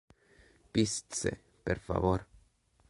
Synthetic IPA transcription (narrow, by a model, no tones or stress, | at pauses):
pist̪sḛ | perfa̰voɾ